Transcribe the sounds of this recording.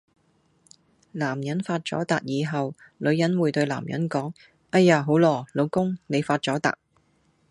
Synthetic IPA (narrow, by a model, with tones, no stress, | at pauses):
laː˨˩mjɐ˨˥nfaː˧t̚t͡sɔ̰ː˨˥t̪aː˨k̚jiː˨˧ɦɐ˨w | lɵ˨˧ɥjɐ˨˥nwuː˨˧jt̪ɵ˧ɥla̰ː˨˩mjɐ̰˨˥nkɔː˨˥ŋ | ʔɐ˧˥jaː˨˧ɦo˨˥wlɔː˨˩lo˨˧wkʊ˥ŋne˨˧jfaː˧t̚t͡sɔː˨˥t̪a̰ː˨k̚